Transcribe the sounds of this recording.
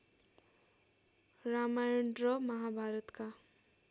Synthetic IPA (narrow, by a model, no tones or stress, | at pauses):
ɾamajɳɖɾʌmʌɦabʱaɾʌt̪ka